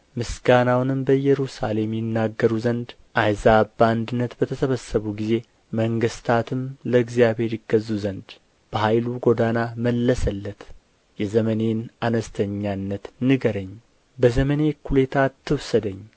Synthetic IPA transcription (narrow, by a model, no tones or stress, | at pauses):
mɨsɡanawnɨmbəjɛɾusale̞mjɪnːaɡːəɾuzənd̪ | ʔajzaband̪ɨnːət̪bət̪ʰəsəβəsːəβuɡize̞ | məŋɡɨst̪ʰat̪ʰɨmləɡzijaβhe̞ɾjɪɡːəzːuzənd̪ | b̥əhajluɡo̞d̪anaməlːəsəlːət̪ | jɛzəməne̞nanəst̪ʰəɲːanːət̪nɨɡəɾəɲː | bəzəməne̞kʰulet̪ʰat̪ʰːɨwsəd̪əɲː